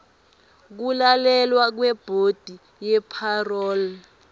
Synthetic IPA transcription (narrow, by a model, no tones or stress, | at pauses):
k̬ulalɛlwak̬wɛb̥ʱod̥ʱi | jɛpʰarɔːl